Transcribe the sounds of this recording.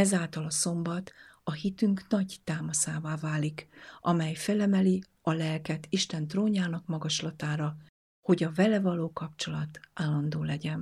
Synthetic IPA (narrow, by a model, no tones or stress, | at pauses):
ɛzaːlt̪ɒlɒso̞mbɒt̪ɒhit̪yŋknɒɟt̪aːmɒsaːvaːvaːlikʔɒmɛjfɛlɛmɛli | ɒlɛlkɛt̪iʃt̪ɛnt̪roːɲaːnɒkmɒɡɒʃlɒt̪aːɾɒ | ho̞ɟɒvɛlɛvɒloːkɒpt͡ʃo̞lɒt̪ʔaːlːɒnd̪oːlɛɟɛn